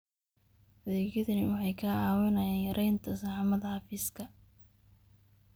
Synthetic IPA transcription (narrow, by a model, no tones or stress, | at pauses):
ʔɐðeːkjɐðɐnɪwɑħɑjkʰaːaːwɐnɐjaːnjɐɾʔɛjnt̪ʰɐsɑħmɐðɐhɑfiːskʰɐ